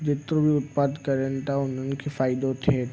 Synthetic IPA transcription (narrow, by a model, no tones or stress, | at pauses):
d͡ʒ̪ɪt̪ɾõbʱiʊt̪̚paːd̪kɐɾẽnt̪aʊnɦonkefaːɪd̪õt̪ʰe